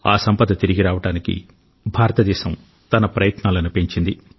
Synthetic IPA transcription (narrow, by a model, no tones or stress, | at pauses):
aːsɐmpɐd̪ɐt̪iɾiɡiɾaːʋɐʈaːnikḭ | bʱaːɾɐt̪ɐd̪ɛːʃɐm | t̪ɐnɐpɾɐjɐt̪naːlɐnupeɲt͡ʃind̪i